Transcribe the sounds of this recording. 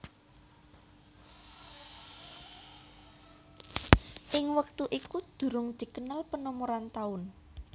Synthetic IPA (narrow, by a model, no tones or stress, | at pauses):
ʔɪŋwək̚t̪uʔikud̪̥ṳɾʊŋd̪̥i̤kənalpənɔmoɾant̪aʊn